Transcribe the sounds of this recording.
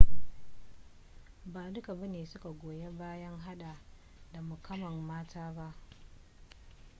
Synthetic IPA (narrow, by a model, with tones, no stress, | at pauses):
baː˨dʊ˦ka˨bɐ˦neː˨sʊ˦ka˨ɡʷoː˨je˦baː˦jɐ˦ŋɦa˦ɗa˨ | da˨mʊ˨kɐ˦mɐ˨mːaː˦taː˦ba˦ʔ